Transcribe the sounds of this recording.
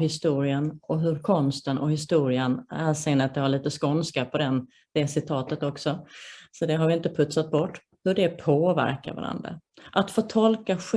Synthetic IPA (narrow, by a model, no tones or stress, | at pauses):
hɪst̪uːɾɪənɔɦɵɾkʰɔnst̪ənʔɔ̰hɪst̪uːɾɪənæːsɛŋnːat̪̚d̪ɛhaɭiːt̪əskɔnskapʰɔd̪ɛn | d̪̥ɛsɪt̪ʰɑːt̪ət̪ɔksɔsɔd̪ɛɦaɾvɪɪnt̪əpʰɵt̪sat̪̚bɔʈː | hɵɖɛpʰoːvæ̰ɾka̰ɾva̰ɾa̰nd̪ɾa̰ʔat̪foːt̪ʰɔlkaɧ